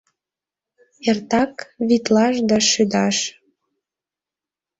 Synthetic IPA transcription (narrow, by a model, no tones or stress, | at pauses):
ert̪ɑkβit̪lɑʃd̪ɑʃyd̪ɑʃ